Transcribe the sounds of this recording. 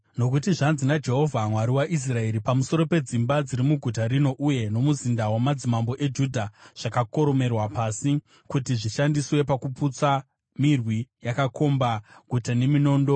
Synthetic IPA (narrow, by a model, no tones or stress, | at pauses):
no̞kutiʐanzinad͡ʒe̞ɦo̞vʱamwaɾiwaʔis̬rae̞ɾipamuso̞ɾo̞pe̞d͡zimbad͡ziɾimuɡʱutaɾino̞ʔuje̞no̞muzindawamad͡zimambo̞ʔe̞d͡ʒudʱaʐ̥akako̞ɾo̞me̞rwapaːsi | kutiʐiʃandiswe̞pakuput͡sa | mirwijakakʰo̞mbaɡʱutane̞mino̞ːndo̞